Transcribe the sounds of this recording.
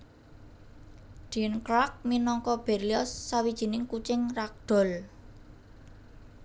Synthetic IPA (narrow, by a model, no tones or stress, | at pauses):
d̥inkɾak̚minɔŋkɔb̥erliɔsːawid̥ʒ̥i̤nɪŋkut͡ʃɪŋrak̚ɖ̪̥ɔ̤l